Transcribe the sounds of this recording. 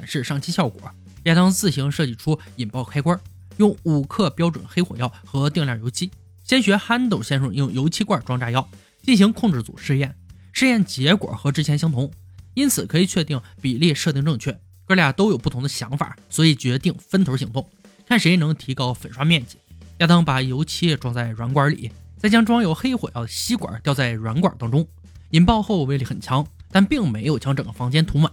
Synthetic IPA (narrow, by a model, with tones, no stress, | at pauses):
ʈ͡ʂa˨˩nʂɻ̩˥˧ʂɑ˥˩ŋt͡ɕʰi˥ɕjɑ˥˩ʊkwɔ̰˨˩˦ | jɛ˥˩t̪ɑ˥ŋt͡sɹ̩˥˩ɕi˧˥ŋʂɤ˥˧t͡ɕi˥˩ʈ͡ʂʰu˥ | i˨˩npɑ˥˩ʊkʰa˥ɪkwɐ˥ | jʊ˥˩ŋu˨˩kʰɤ˥˩pjɑ˥ʊʈ͡ʂwə̰˨˩nxe˥ɪxwɔ˨˩jɑ˥˩ʊxɤ˧˥t̪i˥˧ŋljɑ˥˩ŋjo˧˥ʊt͡ɕʰi˥ | ɕjɛ˥nɕɥɛ˧˥xa˥nt̪o˥˩ʊɕjɛ˥nʂʊ˧˥˩jʊ˥˩ŋjo˧˥ʊt͡ɕʰi˥kwa˥˩ʈ͡ʂwɑ˥ŋʈ͡ʂa˥jɑ˥ʊ | t͡ɕi˥˩nɕi˧˥ŋkʰʊ˥˧ŋʈ͡ʂɻ̩˥˩t͡sṵ˨˩ʂɻ̩˥˧jɛ˥˩n | ʂɻ̩˥˧jɛ˥˩nt͡ɕjɛ˧˥kwɔ̰˨˩xɤ˧˥ʈ͡ʂɻ̩˥t͡ɕʰjɛ˧˥nɕi˧˥ŋt̪ʰʊ˧˥ŋ | i˥nt͡sʰɹ̩˨˩kʰɤ˧˥i˨˩t͡ɕʰɥɛ˥˧t̪i˥˩ŋpi˨˩li˥˧ʂɤ˥˧i˥˧ŋʈ͡ʂɤ˥˧ŋt͡ɕʰɥɛ˥˩ | kɤ˥˧lja˥˩t̪o˥ʊjo˨ʊpu˥˩t̪ʰʊ˧˥ŋd̪ə˧ɕjɑ˧˥ŋfa̰˨˩swɔ˧˥i˨˩t͡ɕɥɛ˧˥t̪i˥˩ŋfə˥nt̪ʰo˧˥ʊɕ̬i˧˥ŋt̪ʊ˥˩ŋ | kʰa˥˩nʂe˧˥ɪ˩nɤ˧˥ŋt̪ʰi˧˥kɑ˥ʊfə˨˩nʂwa˥mjɛ˥˩nt͡ɕi˨˩˦jaː˥˩t̪ɑ˥ŋpa˨˩jo˧˥ʊt͡ɕʰi˧˥ɛ˥˧ʈ͡ʂwɑ˥˧ŋt͡sa˥˩ɪɻwa˧˥nkwɐ˧˥lḭ˨˩˦t͡sa˥˩ɪt͡ɕjɑ˥ŋʈ͡ʂwɑ˥ŋjo˧˥ʊxe˥ɪxwḛ˨˩ɪɑ˥˩ɕi˥kwa̰˨˩˦t̪jɑ˥˧ʊt͡sa˥˩ɪɻwa˧˥nkwa̰˞˨˩t̪ɑ˥ŋʈ͡ʂʊ˥ŋ | i˨˩npɑ˥˧ʊxo˥˧ʊwe˥˩ɪli˧˥˩xə˨˩nt͡ɕʰjɑ˧˥ŋt̪a˥˧npi˥˩ŋme˧˥ɪjo˨˩ʊt͡ɕʰjɑ˧˥ŋʈ͡ʂɤ˨˩ŋɡ̥ə˦fɑ˧˥ŋt͡ɕjɛ˥nt̪ʰʊ˧˥ŋmə̰˨˧˦